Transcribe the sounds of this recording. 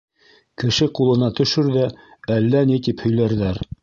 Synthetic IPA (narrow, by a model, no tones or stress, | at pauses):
kɘ̆ʃɘqulˠɤ̆nɑt̪ɵ̆ʃɵɾðæælːænit̪iphɵ̆jlæɾðæɾ